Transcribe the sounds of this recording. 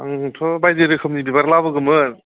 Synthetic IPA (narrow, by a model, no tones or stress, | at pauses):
aŋtʰɔbajdeɾɯkʰɯmnibibaɾlabɯɡɯmɯ